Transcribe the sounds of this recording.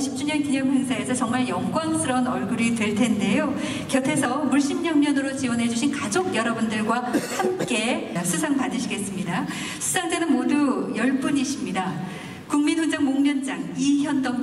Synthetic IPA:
ɕʰip̚t͡ɕ͈uɲʌnkiɲʌŋɸweŋsʰae̞sʰʌt͡ɕʌŋmaɭjʌŋɡwans͈ʰɯɾʌunʌɭɡuɾitwe̞ɭtʰe̞nde̞jo | kjʌtʰe̞sʰʌmuɭɕ͈imɲʌnɲʌnɯɾot͡ɕiwʌnɦe̞d͡ʑuɕʰinkad͡ʑoɡ̚jʌɾʌbundɯɭɡwahamk͈e̞sʰusʰaŋpadɯɕʰiɡe̞s͈ɯmɲida | sʰu̥d͡ʑʰaŋd͡ʑenɯnmodujʌɭp͈uɲiɕʰimɲida | kuŋmitʰond͡ʑaŋmoŋɲʌnd͡ʑaŋiçjʌndʌm

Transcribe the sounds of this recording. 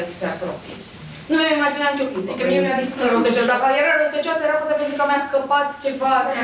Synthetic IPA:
sə̥sea̰pɾo̰pie | numamimad͡ʒinanit͡ʃo̞pint̪ekemavisk̪usəɾot̪ət͡ʃasd̪akalieɾaɾot̪ət͡ʃoasəjeɾafot̪epent̪ɾukəmjaskəpat̪t͡ʃe̞va

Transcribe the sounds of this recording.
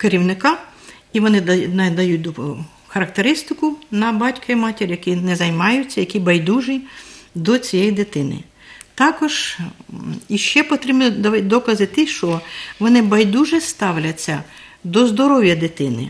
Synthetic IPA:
keɾʲiwnɪkɑ | iʋɔnɪnɐd̪ɐjut̚ʲd̪ | xɐɾɐk̚t̪eɾɪst̪ɪkʊnɐbɑtʲkɐimɑtʲeɾʲjɐkinɛzɐjmɑjʊt͡sʲːɐjɐkʲibɐjd̪uʒɪd̪ɔt͡sʲijɛjd̪ɪt̪ɪnɪ̰ | t̪ɑkɔʒ̥ | iʃt͡ʃɛpɔt̪ɾʲibnid̪ʲd̪ɔkɐzɪt̪ɪʃt͡ʃɔʋɔnɪbɐjd̪uʒɪst̪ɑwlʲɐt͡sʲːɐ | d̪ɔzd̪ɔɾɔwjɐd̪ɪt̪ɪnɪ̰

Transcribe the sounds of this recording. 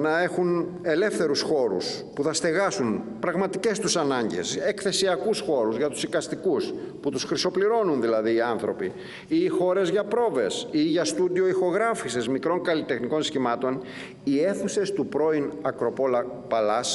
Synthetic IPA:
nɐe̞xun | e̞le̞fθe̞ɾusxo̞ɾṵs | puθɐst̪e̞ɣɐsun | pɾɐɣmɐt̪ice̞st̪usɐnɐɲɟe̞̰se̞kθe̞siɐkusxo̞ɾuzʝɐt̪u̥sikɐst̪ikus | put̪usxɾiso̞pliɾo̞nunðilɐðiːɐnθɾo̞pi | iːxo̞ɾe̞zʝɐpɾo̞ve̞̰siʝɐst̪ud̪io̞ixo̞ɣɾɐfisezmikɾo̞ŋkɐlit̪e̞xniko̞nsçimɐt̪o̞n | ie̞θuse̞st̪upɾo̞inɐkɾo̞polɐ | pɐlɐs

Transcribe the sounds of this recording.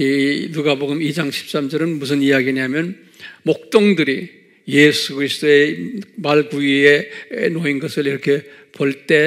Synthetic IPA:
inuɡaboɡɯmid͡ʑaŋɕʰi̥p̚s͈amd͡ʑʌɾɯnmus̬ʰɯnijaɡieɲiamjʌn | mok̚t͈oŋdɯɾi | jesʰukʰɯɾisʰɯ̥d̥oemaɭkuienoinɡʌsʰɯɭiɾʌkʰe̞ | poɭt͈e̞

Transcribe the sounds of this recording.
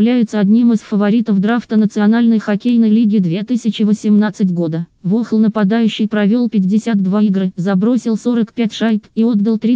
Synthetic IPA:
lʲæjʊt̪səɐdʲnʲimɨsfəvɐɾʲit̪əfd̪ɾaft̪ənət̪sɨɐnalʲnəjxɐkʲejnəjlʲiɡʲɪd̪vʲe̞t̪ɨsʲɪt͡ɕɪvəsʲɪmnat̪sɨtʲɡo̞d̪əvoxlˠnəpɐd̪ajʉɕːɪjpɾɐvʲo̞lˠpʲɪtʲdʲɪsʲat̪̚d̪vaiɡɾɨzɐbɾo̞sʲɪlˠso̞ɾəkpʲætʲʂajt̪io̞d̪d̪əlˠt̪ɾʲi

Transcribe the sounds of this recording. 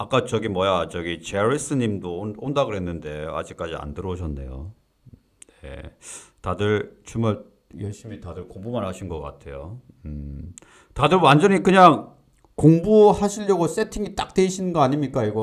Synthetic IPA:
ak͈at͡ɕʌɡimwʌjat͡ɕʌɡit͡ɕeɾis͈ʰɯɲimdoondaɡɯɭɦenːɯnde̞a̰d͡ʑik͈̚ad͡ʑia̰ndɯɾʌɕʰʌnːe̞̰jo̰ | nḛtadɯɭt͡ɕumaɭ | jʌɭɕ͈imitadɯɭkoŋbumanɦaɕʰinɡʌk͈a̰tʰe̞jo | ɯ | tadɯɭwand͡ʑʌɲikɯɲaŋ | koŋbuhaɕʰiʎjʌɡos͈e̞tʰiŋit͈ak̚t͈eɕʰinɯnɡʌaɲimɲik͈aiɡo

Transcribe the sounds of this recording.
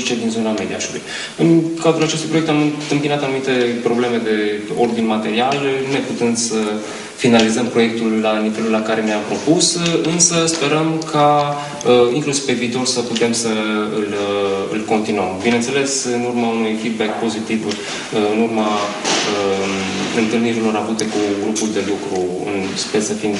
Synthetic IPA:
t͡ʃed̪inzo̞named̪ia̰ʃulṵj | ɨnkazɾulat͡ʃest̪ujpɾoek̚t̪amɨnt̪ɨmpinat̪anumit̪e̞pɾo̞ble̞me̞d̪e̞o̞̰rd̪inmat̪e̞ɾialne̞put̪ɨnd̪sə | finalizəmpɾo̞je̞k̚t̪ulːanive̞lulːakaɾe̞mapɾo̞pusɨnsəspe̞ɾəmkʰa | əiŋklusiv̥pe̞viːt̪o̞rsəput̪e̞msəɨlɨ̰lko̞nt̪inuəmbinent̪se̞le̞sɨnurmaunujfid̪̚bek̚po̞zit̪iv | ɨnurma | ə | ɨnt̪ɨlniɾilo̞ɾavut̪e̞kuɡɾupuld̪e̞lukɾu | ɨ̰nspersəfim

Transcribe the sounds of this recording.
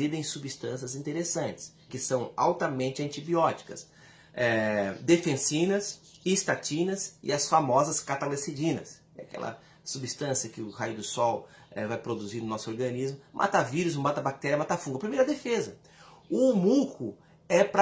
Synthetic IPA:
id̪ɐẽj̃subist̪ɐ̃siɐzĩnt̪eɾesɐ̃nt͡ʃɪ̥skɪsɐ̃w̃a̰wt̪ɐmẽnt͡ʃɪɐ̃nt͡ʃibiɔt͡ʃi̥kɐs | ɛd̪efẽsĩnɐs | ist̪at͡ʃĩnɐzɪ̰ɐsfamɔzɐskat̪alesid͡ʒĩnɐs | ɛakɛ̰lɐ̰ | subist̪ɐ̃siɐkɪʊhajʊd̪ʊsɔw | ɛvajpɾod̪uziɾnʊnɔsʊoɾɡɐ̃nizmʊmʔa̰t̪aviɾʊzũbat̪ɐbak̚t̪ɛɾjɐmat̪afũŋɡɐpɾimejɾɐd̪efezɐ | ʊmukʰʊ | ɛpɾ

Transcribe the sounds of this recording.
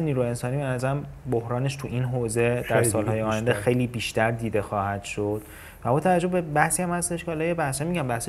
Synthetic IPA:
eniːɾuːjeensɒːnibenæzæɾæmbohɾɒːne̞ʃt̪ʰuʔinɦoːze̞d̪æɾsɒːlhɒːjeɒːjænd̪exe̞jliːbiːʃt̪æɾd̪iːd̪e̞xɒːhæd̪̥ʃo̞d̪̥ | væbɒːt̪ʰævæd͡ʒːobbebæhsiːhæmhæst̪e̞ʃkʰehɒlɒːjebæhsæmiɟæmbæhse

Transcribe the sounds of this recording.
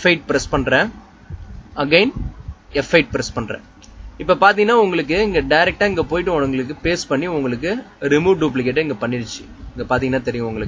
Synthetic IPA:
fɐɪʈ̚pɪɾɛspɐɳɾẽ | ɐɡeɪnɛfɐɪʈ̚pɪɾɛspɐɳɾɛ̰̃ | ɪpːɐpaːɾt̪̬iŋɡɐnːaːʊŋɡɐɭɯk̬ːɯɪŋɡɐɖɐɪɾɛk̚ʈːaːɪŋɡɐpoːjɪʈːɯɔnʊŋɡɐɭɯk̬ːɯpeːspɐɳːiʊŋɡɐɭɯk̬ːɯɾɪmuːɖuːp̬lɪk̬eʈːɯɪŋɡɐpɐɳːɪɾɯt͡ʃːɯ̥ | ɪŋɡɐpaːɾt̪iŋɐnaːt̪ɛɾɪjʊ̃ʊŋɡɐɭɯkː

